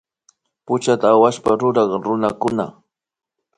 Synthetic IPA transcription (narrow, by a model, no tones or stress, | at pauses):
pʊt͡ʃat̪aːwaʃpaɾʊɾɑχɾʊnakʊna̰